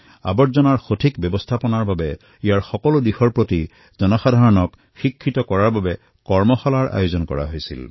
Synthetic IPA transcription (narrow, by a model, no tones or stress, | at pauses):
a̰bɔtzɔnaɹxotʰikbjɔbɔstʰapɔnaɹbabɛ | ijaɹxɔkɔlʊdixɔɹpɹoti | zɔnɔxadʱaɹɔnɔk | xikʰːitɔkɔɹaɹbabɛ | kɔɹmɔxɔlaɹʔa̰jozɔnkɔ̰ɹa̰ɦojsḭl